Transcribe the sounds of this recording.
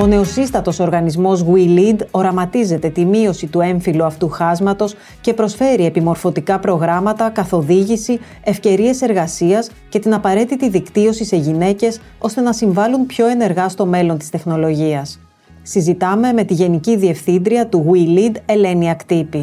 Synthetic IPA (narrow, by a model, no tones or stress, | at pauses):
o̞ne̞o̞sist̪ɐt̪o̞so̞ɾɣɐnizmo̞zɣwilid̪o̞ɾɐmɐt̪ize̞t̪e̞t̪imio̞sit̪ue̞ɱfiluɐft̪uxɐzmɐt̪o̞s | ce̞pɾo̞sfe̞ɾie̞pimo̞ɾfo̞t̪ikɐpɾo̞ɣɾɐmɐt̪ɐkɐθo̞ðiʝisi | e̞fce̞ɾie̞se̞ɾɣɐsiɐs | ce̞t̪inɐpɐɾe̞t̪it̪iðikt̪io̞sise̞ʝine̞ce̞s | o̞st̪e̞nɐsiɱvɐlunpço̞e̞ne̞ɾɣɐst̪o̞me̞lo̞nt̪ist̪e̞xno̞lo̞ʝiɐsː | izit̪ɐme̞me̞t̪iʝe̞niciðie̞fθind̪ɾiɐt̪uɣwilid̪e̞le̞niɐkt̪ipi